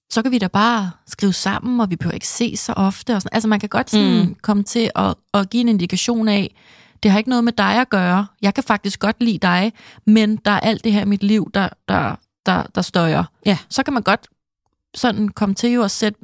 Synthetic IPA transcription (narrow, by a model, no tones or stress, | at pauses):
sɒ̽kʰæʋiɾæb̥ɑ̈ːsɡ̥ʁiːʊsɑ̈m̰n̩ɒ̽ʋipʰøʊ̰ɐe̝ɡ̥ə̥se̝̰ːsɒ̽ʔɒ̽fd̥əɒsɒ̽nʔælsəmænkʰæɡ̥ɒ̽d̥sɒ̽nkʰɒ̽mət͡sʰe̝ʔɒ̽ɒɡ̥ḭːe̝ne̝nd̥ikʰæɕo̝̰ːnɛ | d̥e̝hɑ̈e̝ɡ̥ənɔ̽ð̞ˠmed̥ɑ̈ɪɒɡ̥ɶːɐjɑ̈ɪkʰæfɑ̈ɡ̥̚d̥isɡ̥ɒ̽d̥lḭːd̥ɑ̈ɪmend̥ɑ̈æɐʔæl̰d̥e̝ɦeɐ̰imid̥liʊ̰d̥ɑ̈d̥ɑ̈ | d̥ɑ̈d̥ɑ̈sd̥ɒɪɐsɒ̽kʰæmænɡ̥ɒ̽d̥ | sɒ̽n̩kʰɒ̽mət͡sʰe̝jo̝ɒ̽sed̥